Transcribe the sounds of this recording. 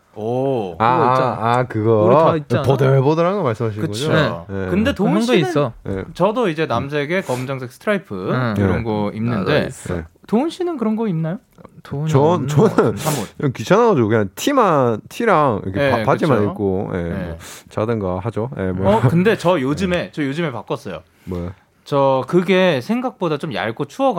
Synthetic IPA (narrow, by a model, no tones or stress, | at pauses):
ʌaakɯɡʌtʌdeɭbodʌɾaŋɡʌmaɭs͈ɯmɦaɕʰikɯɡʌojekɯnde̞toɕɡinɯjet͡ɕʌdoid͡ʑe̞nams̬ʰe̞ɡe̞kʌmd͡ʑʌŋsʰe̞k̚s͈ʰɯ̥tʰɾaipʰɯkeʌnɡʌimnːɯndde̞jḛtoɯnɕʰinɯnkɯɾʌnɡʌimnajo | t͡ɕʌnt͡ɕʌnnsʰamot͡ɕʌkɥit͡ɕʰanɦaɡʌd͡ʑoɡokɯɲaŋtʰimantʰiɾaŋḭʌ̰kʰeepad͡ʑimanik͈ojemʌt͡ɕadɯnɡahad͡ʑojḛmwʌʌkɯnde̞t͡ɕʌjod͡ʑɯme̞t͡ɕʌjod͡ʑɯmepak͈ʌs͈ʌjo̰ | mʌja | t͡ɕʌkɯɡe̞sʰe̞ŋɡak̚p͈odat͡ɕomja̰ɭɡot͡ɕʰuʌɡ